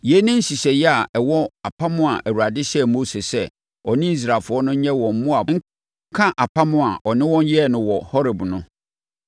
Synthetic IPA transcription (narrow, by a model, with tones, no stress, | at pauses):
je˦nɪ̃˦n̩˦si˨sɛ˨jɛ˦a˨ʔɛ˨wɔ˦a˨pʰa˦mʊ̃˦a˨ʔæ˨wu˨ɾa˨dɪ˦ɕɛ˦˨mo˦se˨sɛ˦ | ɔ˨nɪ̃˦i˦s̬ɾa˨fʊ˨˦ɔ˦nʊ̃˦ɲɛ̃˦wɔ̃˨m̩˦mʊ̃˦a˨ŋ̩˦ | kʰã˦ʔa˨pʰa˦mʊ̃˦a˨ʔɔ˨nɪ̃˦wɔ̃˦n˦jɛ˦˨nʊ̃˨wɔ˨hɔ˦ɾɛ˨bnʊ̃˦